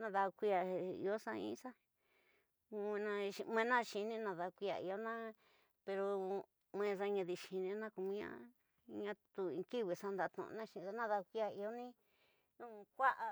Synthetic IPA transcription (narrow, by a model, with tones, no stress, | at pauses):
nã˧ða˧kʷi˧˦a˧ḭ˧o˦sã˧ḭ̃˦sa˦˧ | ẽ˧nã˧ʃi˧m˧ẽ˧nã˦˧ʃi˧nĩ˦nã˧ða˧kʷi˧˦a̰˧˨ḭ˧o˧nã˦ | pe˧ɾo˧ | m˧ẽ˧s̬a˧ɲã˧ði˧ʃi˧nĩ˧˦nã˦ku˧mĩ˧˦ɲã̰˦ | ɲã˧t̪u˧ĩ˧ki˦˨βi˧˨sa˦nd̪a˧t̪ṵ̃˧nã˦˧ʃĩ˧sa˧˦nã˦ða˧kʷi˧˦a˧i˧o˦nĩ˦ | nũ˦˧kʷa˦ʔa˧